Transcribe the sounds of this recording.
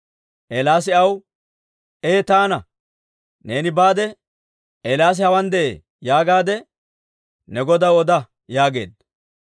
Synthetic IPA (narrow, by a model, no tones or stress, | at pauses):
ʔelaːs̬ɪɐw | ʔeːt̪aːnɐ | ne̞ːnɪbaːd̪ɛ | ʔelaːs̬ɪhɐwɐnd̪ɛʔḛː | jaːɡaːd̪ɛ | nɛɡɔd̪ɐwɔd̪ɐ | jaːɡe̞̰ːd̪